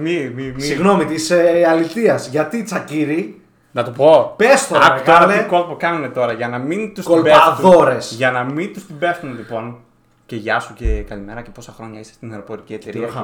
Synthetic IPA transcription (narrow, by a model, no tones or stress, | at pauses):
mimissiɣno̞mit̪iseɐlit̪iɐzʝɐt̪it͡sɐciɾi | nɐt̪opo̞pest̪oɐkt̪ɐɾɐeko̞lpokɐnunet̪o̞ɾɐʝɐnɐmint̪uskoleɐðo̞ɾe̞sʝɐnɐmint̪ust̪ibest̪unlipo̞n | ceʝɐsucekɐlime̞ɾɐce̞po̞sɐxɾo̞ɲɐise̥st̪ineɾo̞po̞ɾiciet̪eɾi